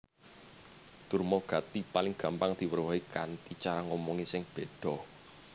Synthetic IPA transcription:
t̪urmɔɡ̥ä̤t̪ipalɪŋɡ̥ä̤mpaŋd̪̥i̤wərwɔikant̪it͡ʃaɾaŋɔmɔŋisɪŋb̥e̤d̪̥ɔ̤

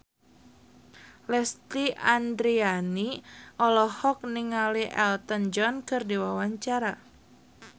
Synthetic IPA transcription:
lɛst̪iʔandɾianiʔɔlɔhɔk̚niŋaliʔɛlt̪ənd͡ʒɔnkɨrdiwawaɲt͡ʃaɾa

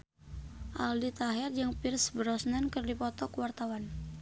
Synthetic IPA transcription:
ʔa̰ldit̪aɦɛrd͡ʒaŋpirsbəɾɔsnankərdipɔt̪ɔkwart̪awan

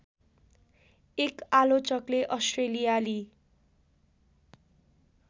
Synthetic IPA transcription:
ekalot͡sʌkleʔʌsʈrelijali

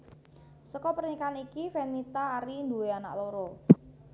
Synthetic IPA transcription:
səkɔpərnikanikifenit̪aːɾind̪uweana̰ʔloɾo

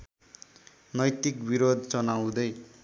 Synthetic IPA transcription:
nʌjt̪ikbiɾod̪̚ʱt͡sʌnawd̪ʌj

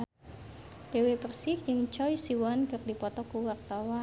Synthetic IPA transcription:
bewepərsɪk̚jɨŋt͡ʃɔjsiwankɨrdipɔt̪ɔkuwart̪awa

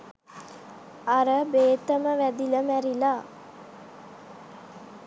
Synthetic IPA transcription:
aɾəbeːt̪əməʋæd̪iləmæɾilaː

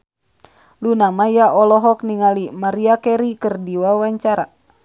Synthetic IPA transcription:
lunamajaʔɔlɔɦɔk̚niŋalimaɾiakɛɾikɨrdiwawaɲt͡ʃaɾa̰

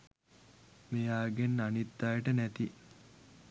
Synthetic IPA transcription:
mejaːɡenːanit̪ːaːjəʈənæt̪i

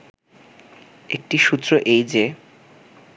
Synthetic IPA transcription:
ek̚ʈiʃut̪ːɾoʔejd͡ʑe

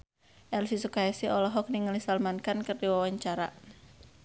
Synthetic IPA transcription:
ʔɛlsisukaɛsiɔlɔɦɔk̚niŋalisalmankankɨrdiwawaɲt͡ʃaɾa

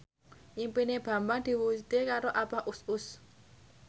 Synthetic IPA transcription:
ʔimpineb̥ä̤mbad̪̥i̤wusit̪ekaɾoʔabaʔusʊs

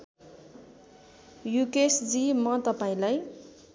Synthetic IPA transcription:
jukesd͡zimʌt̪ʌpaĩlaj

